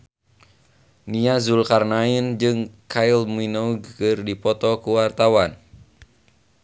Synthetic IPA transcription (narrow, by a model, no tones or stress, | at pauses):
niazulkarnaind͡ʒɨŋkʰailminoɡkɨrdipɔt̪ɔkuwart̪awan